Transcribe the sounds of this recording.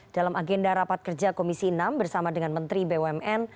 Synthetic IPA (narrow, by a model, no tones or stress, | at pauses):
d̥alamʔaɡɛndaɾapat̪̚kərd͡ʒakomisinambərsamadəŋanmənt̪ɾibewɛmɛn